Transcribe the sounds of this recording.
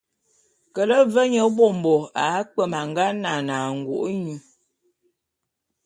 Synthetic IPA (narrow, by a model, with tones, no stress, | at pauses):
kə˨lə˦və˦ɲə˨˦bɔ˦˨m˨bɔ˨a˨˦k͡pə˦˨ma˨ŋ˨ɡa˦na˨na˨ŋ̩˨ɡwo̰˨ʔɲu˨